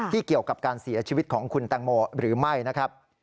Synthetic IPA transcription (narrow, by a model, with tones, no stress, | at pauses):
iː˥˩ki˨˩əwka˨˩p̚kaː˧nsi˩˦ɐt͡ɕʰiː˧i˦˥t̪̚kʰɔː˩˦ŋkʰu˧nt̪aː˧ŋmoː˧ɾɯː˩˦ma˥˩jna˦˥kʰɾa˦˥p̚